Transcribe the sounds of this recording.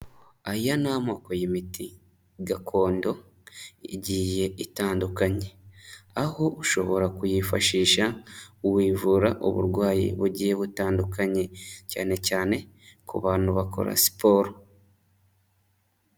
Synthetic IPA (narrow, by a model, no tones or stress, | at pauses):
ajanamoːkojemiti | ɡakʰo̞ːndo̞ | ḭɟiːje̞itaːndukaɲe̞aho̞uʃo̞βo̞ɾakujifaʃiːʃauwiːvuɾaʔo̰βṵɾɡwaːjḭβuɟiːje̞βutaːndukaɲe̞ca̰ːne̞caːne̞ | kṵβaːn̥huβako̞̰ɾa̰si̥po̞ɾo